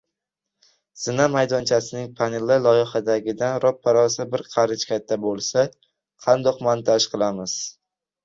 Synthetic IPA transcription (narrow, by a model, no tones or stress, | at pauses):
z̥ɪnamajd̪ɒnt͡ʃʰasɪnɪŋpʰanɪlːɪlˠɒjɪhad̪aɡʲɪd̪anɾɒpʰːaɾɒsɪbɪɾqʰɑɾɪt͡ʃkʲat̪ʰːabolˠsa | qʰɑnd̪ɒqmant̪ʰaʃqʰɨlˠamɪz̥